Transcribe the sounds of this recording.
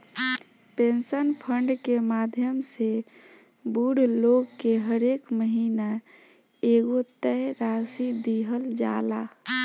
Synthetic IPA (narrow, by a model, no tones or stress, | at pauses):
pẽnsənpʰəɳɖkemad̪ʱjəmse | buɽloɡkeɦəɾekməɦina | eːɡot̪ɛɾasid̪iɦəld͡ʒa̰ːla̰